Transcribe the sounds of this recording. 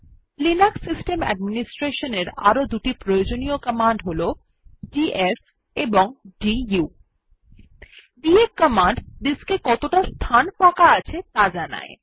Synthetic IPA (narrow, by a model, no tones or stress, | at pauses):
linaksisʈemɛ̰ɖminisʈɾeʃoneɾa̰ɾod̪uʈipɾojod͡ʑoniokəmaɳɖɦolo | ɖiʔes | eboŋɖiju | dieɾkəmaɳɖd̪iskekɔt̪oʈast̪ʰanpakaat͡ɕʰet̪ad͡ʑana̰e